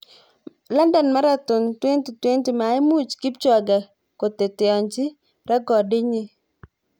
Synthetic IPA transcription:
la˦ndɛ˨nma˦ɾa˦t̪ʊ˨ntwe˦nti˨twe˦nti˨ma˨ɪ˦mu˦˨t͡ʃkɪ˦p̚t͡ʃɔ˨ɡa˨ | ko˨te˨tɪ˨ɔ˨ɲt͡ʃɪ˦ | ɾa˦ɡɔ˨dɪ˦ɲi˦

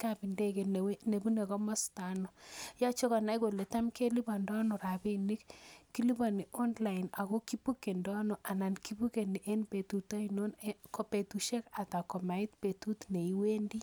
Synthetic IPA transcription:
ka˨bi˨nde˦ke˨ne˨bu˦ne˨kɔ˦mɔ˦sta˨nɔ˨ja˦t͡ʃo˦ka˨na˦jko˨le˨ta˦mke˦li˦ba˨ndɔ˦nɔ˨ɾa˨bi˦ni˦kːi˦li˦ba˨ni˨ɔ˦nla˨ina˨ɣo˦ki˦pu˦kːe˨ndɔ˦nɔ˨ʔa˨na˨nki˦bu˦ke˨ni˨ʔe˦npe˨tu˨ta˦ino˦n˦kɔ˨pe˨tu˨ʃe˦ka˨ta˨kɔ˨ma˨i˦tpe˨tu˦tne˨iwe˦ndi˦

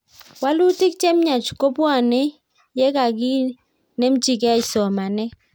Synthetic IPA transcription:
wa˦lu˦tɪ˦k̚t͡ʃɛ˦mɲa˨t͡ʃko˦pwa˦˨ne˦ | jɛ˦ka˨ki˦ | ne˦mt͡ʃi˨kɛ˦˨sɔ˨ma˨nɛ˦

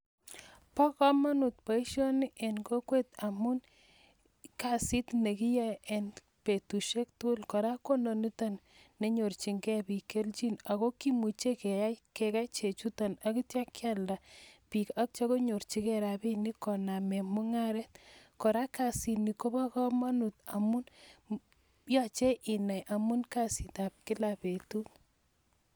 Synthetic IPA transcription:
pɔ˦kɔ˦ma˦nu˨t̚pa˨i˦ʃɔ˦ni˦ʔe˨nko˦kwe˦t̪a˨mu˦n | ka˨si˦tne˨ki˦ja˦e˨n | pe˨tu˨ʃe˦ktu˦lko˨ɾa˦ko˦no˨ni˦ta˦nː | e˨ɲo˨rt͡ʃi˨ŋɡɛ˦pi˨ke˦lt͡ʃi˦na˨ko˦ki˦mu˨t͡ʃe˦ke˨a˦ke˨ka˦t͡ʃe˨t͡ʃu˦ta˨na˦ki˦tja˦kːja˦lda˨pi˨ka˦k̚t͡ʃɔ˦ko˦ɲo˨ɾt͡ʃi˦kɛɾa˨pi˦ni˦kɔ˨na˨mɛ˨mʊ˦ŋa˦ɾɛ˦t̪kɔ˨ɾa˦ka˨si˨ni˨ko˦ba˦kɔ˦ma˦nu˨tamu˦n | ja˦t͡ʃe˦ʔɪ˨na˨jʔa˨mu˦nka˦si˨ta˨p̚kɪ˦lape˨tu˦t

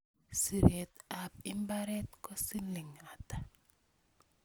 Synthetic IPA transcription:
si˨ɾe˨ta˨p̚i˦mba˦ɾɛ˦t̪̚kɔ˦si˦nli˨ŋa˨ta˨

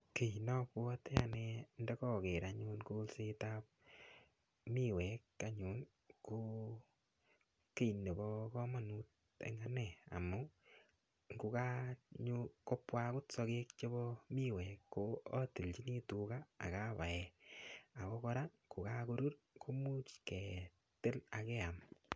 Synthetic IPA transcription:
ke˨inɔ˦pwɔ˦ta˨nɛ˧ndɛ˦kɔ˦ke˨ɾa˨ɲʊ˧nko˦lse˦ta˦p̚ | mi˦wɛ˨ka˦ɲʊ˨˦n | ko˦ | ke˦˨i˨ne˨bɔ˦kɔ˦ma˨nu˦t̚ | ḛŋa˦nɛ˨a̰˨mʊ˦ | ŋɡu˧ka˦ɲu˦kɔ˦pːwa˦kʊ˦tsɔ˧ke˦k̚t͡ʃe˦βɔ˦mi˦wɛ˨kːo˦ɔ˦ti˨lt͡ʃi˦ni˦tu˨ka̰ː˦˨ka˦βa˨ɛ˨a˨kɔ˦kɔ˦ɾa˦ko˨ka˦ku˧ɾu˦ɾ | kʰo˦mu˦t͡ʃkɛ˨ | tɪ˦la˨kɛ˦a˨m

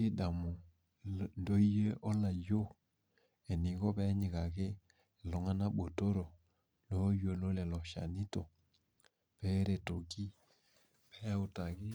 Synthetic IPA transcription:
i˦da˨mo˨ | ndɔ˦i˦je˦ʔɔ˦la˨jo˦ | ɛ˨ni˨˦ɣɔ˦βɛ˦ɲi˨ɣa˨ɣe˦˨ | lɔ˨ŋa˦na˦ɓo˨to˦ɾɔ˨ | lɔ˨˦jo˨lo˦lɛ˨lɔ˨ʃa̰˨ni˦tɔ˨ | pɛ˦ɾɛ˨to˨ki˦ | pɛ˦a˦u˨ta˨ɣɪ˦

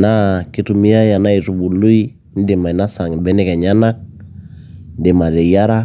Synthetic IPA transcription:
na˦ki˦tu˨mi˦a˦ja˨na˦i˨ɾu˨bu˨lu˦i˦ | n̩˦dɪ˨ma˨i˨na˦sa˨ŋi˨bɛ˦nɛ˦kɛ˨ɲa˦na˦k̚ | n˦dɪ˨ma˨ɾɛ˨ja˦ɾa˦

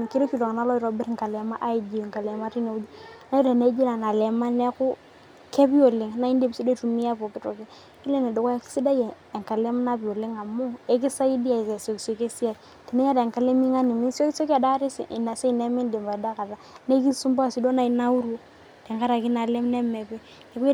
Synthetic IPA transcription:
ki˦ɾe˦ki˨lo˨ŋ˨na˨˦lɔ˦i˨ɾo˨bɪ˦ɾŋ˨ka˨lɛ˨ma˦ʔːi˦d͡ʒi˨ŋka˨lɛ˨ma˦ti˦ne˨u˦d͡ʒi˦na˦i˦ɾe˨ne˦d͡ʒi˦la˨na˨lɛ˨ma˦ne˦kʊ˦ | ke˦bi˦o˨lɪ˨ŋna˦i˦nde˦bsi˦do˦tu˨˦mi˦ja˦po˨kɪ˨˦to˨ke˦ | i˦le˦ne˨dʊ˨ka˦ki̥˦si˦da˦je˨ | e˨ŋka˨le˦m˦na˦bi˨o˨lɪ˦ŋa˨mʊ˦e˦k̬i˦sa˦i˦di˦a˨i˨se˨so˨kso˨ke˦si˦a˨ | ti˨ne˦ja˦te˨ŋka˨le˦mi˦ŋa˦ni˨mi˦nso˦ki˦so˦ka˨da˦ɾi˦sḭ˨ʔna˨se˦i˨ne˦mɪ˦ndi˨mba˨da˦ka˨ɾa˨˦ne˦ki˦su˦mba˦˨si˨do˦na˨i˨na˦u˦ɾu˦ | te˨ŋka˦ɾa˨ki˦na˨le˦mne˦me˨be˦ | ne˨ku˦

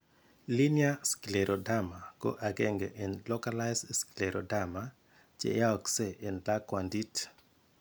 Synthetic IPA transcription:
li˦nja˦skle˨ɾʔo˨da˦ma˨ko̰˦ʔa˨ɡɛŋɡeʔɛ˨nlɔ˦kala˦jsskileɾʔo̰˨dama | t͡ʃḛ˨ja˦ɔkse˨ʔɛ˨nla˦kwandi˦t

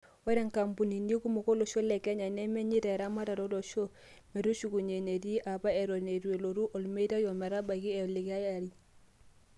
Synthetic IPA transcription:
we˦ɾe˦˨ŋka˨mpu˨ni˨ndi˦ku˦mo˨ko˦lo˨ʃo˦le˨ke˦ɲa˨ne˦me˦ɲi˦ta˨ɾa˦ma˦ta˨ɾo˦do˨ʃo˦ | me˨ɾu˦ʃu˨ku˨ɲe˨ne˨ti˦ʔa˨pa˦e˨ɾo˨ne˨ɾu˨e˨lo˨ɾu˦ʔo˨lme˦i˦ta˦jo˨me˨ɾa˦ba˨ki˦e˨li˨ka˦ja˨ɾi˦

